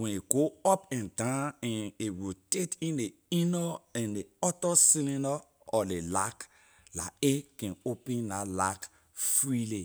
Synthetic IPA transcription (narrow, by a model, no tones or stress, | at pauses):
wɛ̃neɡoɔpɛ̃ndãnɛ̃newitetĩne | inɔɛ̃neɔtɔsinenɔ | ɔlelak | la̰ekɛ̃nopẽnlalak | fɾile